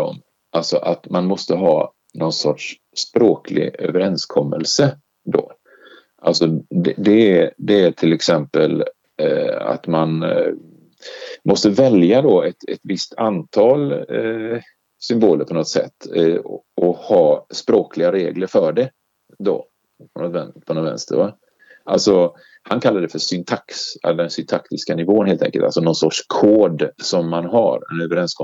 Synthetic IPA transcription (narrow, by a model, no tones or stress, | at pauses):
ɔ̰m | ʔalsɔʔat̪manmɔst̪əɦɑː | nɔnsɔʈʂː | pɾoːkʰlɪ̰ɡø̰vəɾɛnskʰɔmːə̰lsə | d̪ɔ̰ | ʔalsɔd̪ɛd̪ɛæd̪ɛæʈʰɪlɛksɛmpəl | a̰t̪man | mʔɔst̪əvɛljad̪ɔɛt̪ɛ̰t̪vɪst̪ʰant̪ʰɑːl | sʏmboːləɾpʰɔnɔt̪sɛ̰t̪ː | ɔhɑːspɾoːkʰlɪɡaɾeːɡləɾfœɖɛ | d̪ɔ̰ | pʰɔnɔt̪vɛnpʰɔnɔt̪vɛ̰nst̪ʰə̰va | ʔalsɔ | hankʰalːaɖ̪ɛfœʂʏnt̪ʰaksɛ̰ld̪ɛnsʏnt̪ʰakt̪ɪskanɪvoːənheːlɛ̰ŋkəlt̪alsɔnɔnsɔʈʂkʰoːd̪sɔmːanɦa̰ɾɛ̰nøːvəɾɛnskɔ